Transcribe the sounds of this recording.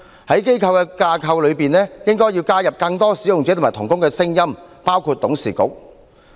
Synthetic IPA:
hɐ˨˥jke˥jkʰɐ˧wkɛː˧kaː˧kʰɐ˧wlɵ˨˧ɥpiː˨nlɛː˥jɪ˥ŋkɔː˥jiː˧wkaː˥jɐ˨p̚kɐ˧ŋt̪ɔː˥siː˨˥jʊ˨ŋt͡sɛː˨˥t̪maː˨˩t̪ʰʊ˨˩ŋkʊ˥ŋkɛː˧sɪ˥ŋjɐ˥mpaː˥wkʰuː˧t̚t̪ːʊ˨˥ŋsḭː˨˩kʊ̰˨˥k̚

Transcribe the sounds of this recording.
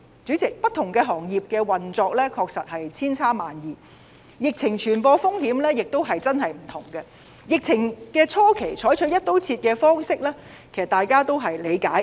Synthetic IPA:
t͡sy˨˥t͡sɪ˨k̚pɐ˥t̪ʰʊ˨˩ŋkɛː˧ɦɔː˨˩ŋjiː˨p̚kɛː˧wɐ˨˩nt͡sɔː˧k̚lɛː˥kʰɔː˧k̚sɐ˨t̚hɐ˨jt͡sʰiː˥nt͡sʰaː˥maː˨njiː˨˩ | jɪ˨k̚t͡sʰɪ˨˩ŋt͡ʃʰyː˨˩npɔː˧fʊ˥ŋhiː˨˥mlɛː˥jɪ˨k̚t̪o˥wɦɐ˨jt͡sɐ˥nɦɐ˨jm̩˨˩t̪ʰʊ˨˩ŋkɐ˧ | jɪ˨k̚t͡sʰɪ˨˩ŋkɛː˧t͡sʰɔː˥kʰe˨˩jt͡ʃʰɔː˨˥jt͡ʃʰɵ˨˥jɐ˥t̚t̪o˨˥wt͡sʰiː˧t̚kɛː˧fɔː˥ŋsɪ˥k̚lɛː˥ | kʰe˨˩sɐ˩t̪aː˨jkaː˥t̪o˥wɦɐ˨jle˨˧jkaː˨˥j

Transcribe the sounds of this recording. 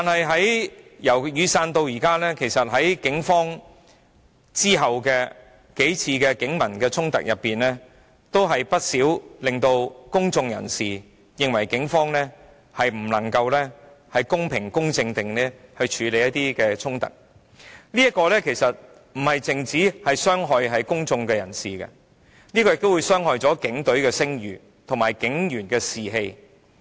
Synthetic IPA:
t̪aː˨nhɐ˨jɦɐ˨˥jjɐ˨˩wjyː˨saː˧nt̪o˧wjiː˨˩kaː˥lɛː˥kʰe˨˩jsɐ˨t̚ɦɐ˨˥jkɪ˨˥ŋfɔː˥ŋ | t͡siː˥ɦɐ˨wkɛː˧ | ke˨˥jt͡sʰiː˧kɛː˧kɪ˨˥ŋmɐ˨˩nkɛː˧t͡sʰʊ˥ŋt̪ɐ̰˨k̚jʔɐ˨pːiː˨nlɛː˥ | t̪o˥wɦɐ˨jpɐ˥t̚siː˨˥wlɪ˨ŋt̪o˧wkʊ˥ŋt͡sʊ˧ŋjɐ̰˨˩nsiː˨ | jɪ˨˧ŋwɐ˨˩jkɪ˨˥ŋfɔː˥ŋlɛː˥ | hɐ˨jm̩˨˩lɐ˨˩ŋkɐ˧wlɛː˥ | hɐ˨jkʊ˥ŋpʰɪ˨˩ŋkʊ˥ŋt͡sɪ˧ŋt̪ɪ˨ŋlɛː˥hɵ˧ɥt͡ʃʰyː˨˧˥le˨˧jɐ˥t̪̚iː˥kɛː˧t͡sʰʊ˥ŋt̪ɐ̰˨k̚ | liː˥jɐ˥t̚kɔː˧lɛː˥kʰe˨˩jsɐ˨t̚ | m̩˨˩hɐ˨jt͡sɪ˨ŋt͡siː˨˥hɐ˨jsœː˥ŋɦɔː˧jɦɐ˨jkʊ˥ŋt͡sʊ˧ŋkɛː˧jɐ̰˨˩nsiː˨kɐ̰˧ | niː˥kɔː˧jɪ˨k̚t̪o˥wuː˨˧jsœː˥ŋhɔː˨˧jt͡sɔː˨˥kɪ˨˥ŋt̪ɵ˨˥ɥkɛː˧sɪ˥ŋjyː˨˩ | t̪ʰʊ˨˩ŋmaː˨˩jkɪ˨˥ŋjyː˨˩nkɛː˧siː˨˩ɦe˧j

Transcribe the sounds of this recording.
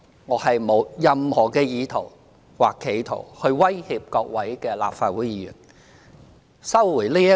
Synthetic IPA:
ŋɔː˨˧hɐ˨jmo˨˧wjɐ˨mhɔː˨˩kɛː˧jiː˨˧t̪ʰo˨˩w | waː˨kʰːe˨˩jt̪ʰo̰˨˩whɵ˧ɥwɐ˥jhiː˧p̚kɔː˧k̚wɐ˨˥jkɛː˧la̰ː˨p̚faː˧t̚wuː˨˥jiː˨˧jyː˨˩n | sɐ˥wwu˨˩jliː˥jɐ˥

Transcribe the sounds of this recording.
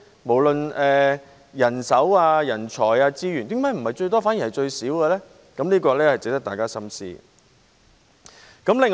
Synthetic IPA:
mo˨˩wlɵ˨nɛː˨ | jɐ˨˩nsɐ˨˥waː˧jɐ˨˩nt͡ʃʰɔː˨˩jaː˧t͡siː˥ɥyː˨˩nt̪ɪ˨˥ŋmaː˨˥jm̩˨˩hɐ˨jt͡ʃɵ˧ɥt̪ɔː˥faː˨˥nji˨˩hɐ˨jt͡ʃɵ˧ɥsiː˨˥wkɛː˧lɛː˥ | kɐ˨˥mniː˥kɔː˧lɛː˥hɐ˨˩jt͡sɪ˨k̚t̪ɐ˥k̚t̪aː˨jkaː˥sɐ˥msḭː˥ | kɐ˨˥mlɪ˨ŋ

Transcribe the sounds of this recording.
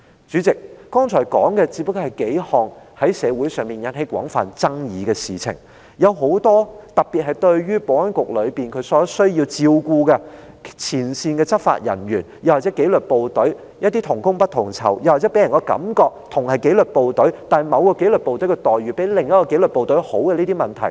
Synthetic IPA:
t͡syː˨˥t͡sɪ˨k̚ːɔː˥ŋt͡ʃʰɔː˨˩jkɔ̰ː˨˥ŋkɛː˧t͡siː˧˥p̚ːɐ˥kːɔː˧hɐ˨˩jke˨˥jhɔː˨ŋhɐ˨˥jsɛː˨˧wuː˨˥jsœː˨ŋmiː˨njɐ˨˥nhe˨˥jkʷɔ̰ː˨˥ŋfa̰ː˨˩nt͡sɐ˥ŋjiː˨˧kɛː˧siː˨t͡sʰɪ̰˨˩ŋ | jɐ˨˧wɦo˨˥wt̪ɔː˥t̪ɐ˨k̚piː˨t̚hɐ˨˩jt̪ɵ˧ɥjyː˥po˨˧wɐ˥nkʷʊ˨k̚lɵ˨˧ɥpiː˨˩nkʰɵ˨˧˥sɔː˨˥sɵ˥ɥji˧wt͡siː˧wkuː˧kɛ˧ | t͡sʰiː˨˩nsiː˧nkɛː˧t͡sɐ˥p̚fa̰ː˧t̚jɐ̰˨˩nɥyː˨˩njɐ˨waː˨t̚t͡sɛː˨˥ke˨˥jlɵ˨˩t̚po˨wt̪ɵ˨˥ɥ | jɐ˥t̪iː˥t̪ʰʊ˨˩ŋkʊ˥ŋpɐ˥t̚t̪ʰʊ˨˩ŋt͡sʰɐ̰˨˩wjɐ˨waː˨t͡sɛ˨˥pe˨˥jɐ˨˩nkɔː˧kɐ̰˨˥mkɔː˧k̚t̪ʰʊ˨˩ŋhɐ˨˩jke˨˥lɵ˨t̚po˨wt̪ɵ˨˥ɥt̪aː˨nɦmɐ˨˧wkɔː˧ke˨˥jlɵ˨t̚po˨wt̪ɵ˨˥ɥkɛ˧t̪ɔː˨˩jɥyː˨˩pe˨˥jlɪ˨ŋjɐ˥kɔː˧ke˨˥jlɵ˨po˨wt̪ɵ˨˥ho̰˨˥wkɛ˧liː˥t̪i˥mɐ˨nt̪ʰɐ˨˩j

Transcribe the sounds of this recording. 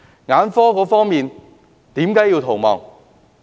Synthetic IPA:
ŋaː˨˥nfɔː˥kɔː˨˥fɔː˥ŋmiː˨n | t̪iː˨˥mkaː˨˥ji˧wt̪ʰo˨˩wmɔː˨ŋ

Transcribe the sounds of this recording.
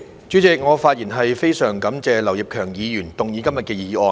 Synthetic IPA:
t͡ʃyː˨˥t͡sɪ˨k̚ŋɔː˨˧faː˧t̚jiː˨˩nɦɐ˨jfe˥jsœː˨˩ŋkɐ˨˥mt͡sɛː˨lɐ˨˩wji˨p̚kʰœː˨˩ŋjiː˨˧jyː˨˩nt̪ʊ˨ŋjiː˨˧kɐ˥mjɐ˨t̚kɛː˧jiː˨˧ʔɔː˨˧

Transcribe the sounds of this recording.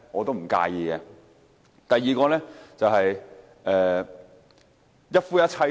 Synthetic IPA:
ŋɔː˨˧t̪o˥m̩˨˩ka̰ː˧jiː˧kɛː˧ | t̪ɐ˨jːiː˨˧kɔː˧lɛː˥t͡sɐ˨wɦɐ˨j | ʔɛː˨ | jɐ˥t̚fuː˥jɐ˥t̚t͡sʰɐ˧

